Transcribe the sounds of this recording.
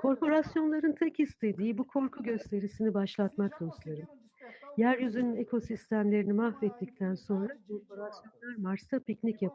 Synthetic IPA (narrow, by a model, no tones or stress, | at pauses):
kʰo̞ɾpo̞ɾasjo̞nlˠaɾɯnt̪ʰɛchist̪ʰe̞d̪iːibukʰo̞ɾkʰuɟø̞st̪ʰe̞ɾisinibaʃlˠat̪mak̚d̪ost̪ʰeɾɯm | jæɾjyzynyne̞kʰo̞sist̪ʰæmlʲe̞ɾinimahvɛt̪ʰːic̚t̪ʰænso̞nɾakʰo̞ɾpʰo̞ɾasjo̞nlˠaɾmaɾst̪ʰapicnicjapʰ